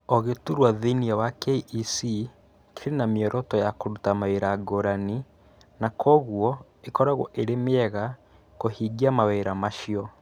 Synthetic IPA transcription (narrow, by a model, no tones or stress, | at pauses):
ɔɣetuɾwaðiniawakeiʔisi | keɾenameɔɾʔɔtɔjakoɾutamaweɾaɡoɾani | nakɔɣuɔ | ekɔɾaɣɔ̰ʔeɾemeɛɣa | kohiɡiamaweɾamaʃiɔ